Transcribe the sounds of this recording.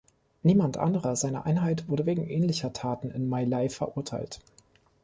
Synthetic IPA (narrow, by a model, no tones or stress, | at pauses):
niːmantʔa̰ndəʁɐzaɪnɐ̰ʔaɪnɦaɪtv̥ʊɐɾəveːɡŋ̩ʔɛːnlɪçɐtʰaːtn̩ɪnmaɪlaɪfɛɐʔʊɐtʰa̰ɪlt